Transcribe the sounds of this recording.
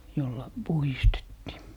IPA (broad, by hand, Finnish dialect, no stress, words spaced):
jolːɑ puhistetːiː